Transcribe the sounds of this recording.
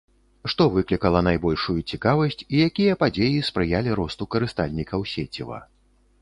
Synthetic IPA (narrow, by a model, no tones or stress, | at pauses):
ʂt̪ɔvɨklʲikɐlˠɐnajbɔlʲʂujut͡sʲikavɐsʲt͡sʲijakʲijɐpad͡zʲejispɾɨjalʲiɾɔst̪ukɐɾɨst̪alʲnʲikɐwsʲet͡sʲḭvɐ̰